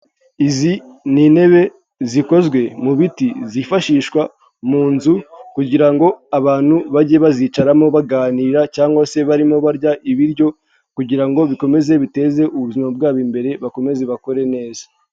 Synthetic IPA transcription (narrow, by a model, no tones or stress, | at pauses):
iziniːne̞βe̞ | ziko̞zɡwe̞muβitizifaʃiːʃkwa | muːnzukuɟiɾaŋɡo̞aβaːn̥huβaɟeβaziːt͡ʃaɾamo̞βaɡaːniɾacaːŋɡwase̞βaɾimo̞βaɾɟaʔiβiɾɟo̞ | kuɟiɾaŋɡo̞βiko̞me̞ze̞βite̞ːze̞ʔuβuzimab̚ɡaːβimbe̞ɾe̞βako̞me̞ze̞βako̞ɾe̞ne̞ːzḁ